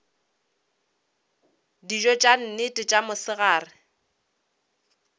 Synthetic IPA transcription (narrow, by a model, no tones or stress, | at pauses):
did͡ʒɔt͡ʃʼan̩nɪtʼɪt͡ʃʼamʊsɪɣaːrɪ